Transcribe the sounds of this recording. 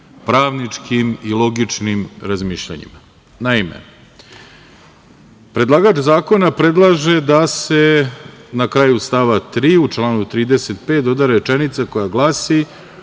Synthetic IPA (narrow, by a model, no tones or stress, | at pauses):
pɾaːʋnit͡ʂkimilˠo̞ɡit͡ʂnimɾazmiːʃʎa̰ɲḭma | naimḛ | pɾe̞d̪lˠaːɡaːt͡ʃzaːko̞napɾe̞d̪lˠaʒe̞d̪ase̞nakɾaːjust̪aʋat̪ɾiːut͡ʃlˠaːnut̪ɾiːd̪eset̪pe̞ːt̪od̪aɾɾet͡ʃenit̪sako̞jaɡlˠaːsi